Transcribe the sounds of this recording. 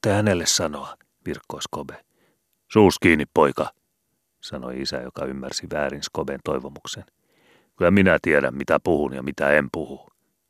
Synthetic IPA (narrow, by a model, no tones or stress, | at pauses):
t̪ːehænelːessɑnoɑ | ʋirkːoiskobe | suːskiːnːippoikɑ | sɑno̰iisæ̰jokɑymːærsiʋæːɾinskobent̪oiʋomuksen | kylæminæt̪iedæ̰mmit̪æpuhunjɑ̰mit̪æempuhu